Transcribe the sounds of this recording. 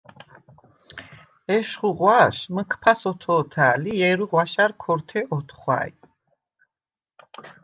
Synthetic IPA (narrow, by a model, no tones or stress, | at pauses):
ɛʃχuʁwaʃməkʰpʰasɔt̪ʰɔːt̪ʰaːliɛɾuʁwaʃaɾkʰɔɾt̪ʰɛʔɔt̪ʰχwa̰i